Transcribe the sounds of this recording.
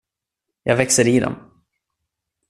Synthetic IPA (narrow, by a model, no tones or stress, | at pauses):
jɑɡvɛksəɾid̪ɔ̰m